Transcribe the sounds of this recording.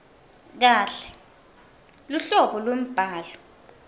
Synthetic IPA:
k̬aːɬɛ̥ | luɬɔɓɔlwem̩b̥ʱaːlɔ

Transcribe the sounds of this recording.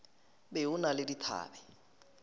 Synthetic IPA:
beʊnalɪditʰa̰ːbɛ

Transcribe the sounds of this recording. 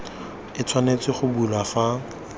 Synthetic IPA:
ɪt͡sʰwanet͡sɪχʊbulafa

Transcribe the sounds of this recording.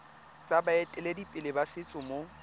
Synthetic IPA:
t͡sʼabaetʼɛledipʼɪlɪbasɪt͡sʼʊmo

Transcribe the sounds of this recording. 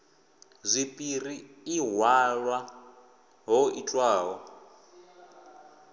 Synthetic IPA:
zʷipʼiriːɦwaɺwa | ɦɔit͡ɬʼwaːɦɔ

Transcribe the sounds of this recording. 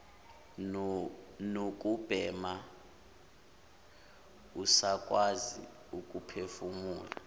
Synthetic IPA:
nok̬ʼub̥ʱɛːma | usakʼwazḭ | ukʼupʰefumuːla̰

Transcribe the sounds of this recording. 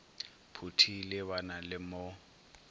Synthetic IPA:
pʰutʰilɪβanalɪmʊ

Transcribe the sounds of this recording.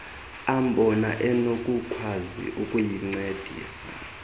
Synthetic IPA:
am̩ɓʱɔnaʔɛnokʼukʰwazḭʔukʼujiŋ͡ǀed̥ʱḭːsa̰

